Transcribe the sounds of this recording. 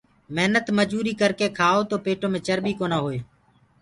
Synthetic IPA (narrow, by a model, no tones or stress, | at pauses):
məɦnət̪məd͡ʒuːɾiːkəɾkeːkʰaːoːt̪oːpeːʈõːmẽːt͡ʃəɾɓiːkoːnaːɦoːeː